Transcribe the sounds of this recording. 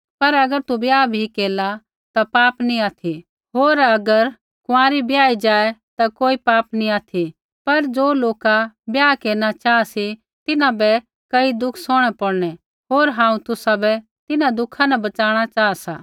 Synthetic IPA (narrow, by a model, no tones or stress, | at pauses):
pɐɾɐɡəɾt̪ubjaːbʱikeːla | t̪apaːpnĩaːt̪ʰi | ɦoːɾɐɡəɾ | kʊãːɾibjaːid͡ʒaːɛt̪akoːipaːpniaːt̪ʰi | pɐɾd͡ʒoːloːkabjaːkeːɾnat͡ʃaːasi | t̪ɪnãbɛ | kɐid̪ʊkʰsoːɽ̃ɛpɐɽɽ̃ɛ | ɦoːɾɦãːũt̪ʊsabɛ | t̪ɪnãd̪ʊkʰãnɛbɐt͡ʃaːɽ̃at͡ʃaːasa̰ː